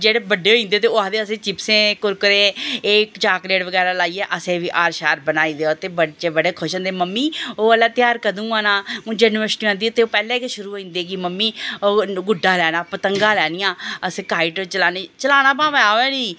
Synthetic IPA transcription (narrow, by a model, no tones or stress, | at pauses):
d͡ʒeːɽeːbəɖeːɦoːĩːnd̪eːt̪eːaːd̪eːəsẽːt͡ʃɪpsẽːkʊɾkəɾẽːeːkt͡ʃaːkleːʈʋəɡɛːɾaːlaːiːɛːʔəsẽːʋiːʔaːɾʃaːɾbənaːĩːd̪eːoːt̪eːbət͡ʃebəɽeːkʰʊʃə̃nd̪eːməmːiːoːəlaːt̪ɪjaːɾkəd̪ũːaːnãːũːd͡ʒənʋəsʈiãːnd̪ioːt̪eːoːpɛːleːkeʃʊɾuːɦoːĩːnd̪eːɡiːməmːiːoɡʊɖãːlɛːnãːpət̪əŋɡãːlɛːnijãːəsẽːkaːɪʈot͡ʃəlaːneːt͡ʃəlaːnãːpãːʋajaːoɛːniː